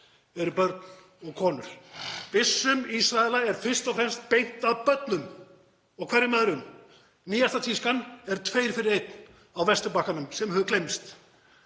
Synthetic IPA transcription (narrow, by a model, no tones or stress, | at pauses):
ɛɾʏpœɾt̪n | ɔɣkʰɔːnʏ̰ɾ̥ðɪsːʏmisɾaɛlaɛɾ̥fɪr̥st̪ɔfɾɛmst̪̚pejn̥t̪aðpœt̪nʏm | ɔɣkʰvɛɾɪmɛðɾʏm | niːjast̪at̪ʰiskanɛɾt̪ʰveːjɾfɪɾɪɾejt̪n | awvɛst̪ʏpahkanʏmsɛmhœðʏklejmst̪